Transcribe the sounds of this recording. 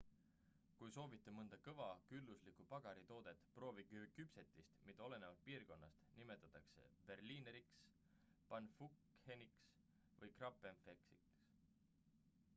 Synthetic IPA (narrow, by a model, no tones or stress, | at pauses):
kujso̞ːvit̪ːˑe̞mɤnd̪̥ɑkɤvɑkylːuslikupɑɡ̥ɑɾit̪o̞ːd̪̥e̞t̪ːˑpro̞ːviɡykypse̞t̪ːˑist̪mid̪̥ɑo̞le̞ne̞vɑd̪̚piːrko̞nːɑst̪nime̞t̪ːˑɑt̪ːˑɑkse̞̰b̥e̞rliːneɾiks | pɑnːfuk | heniks | vɤjkrɑpˑːenfeksḭks